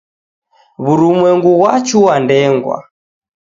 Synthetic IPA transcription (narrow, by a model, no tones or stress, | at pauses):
βuɾumwɛŋɡuɣwat͡ʃuwandɛŋɡwa̰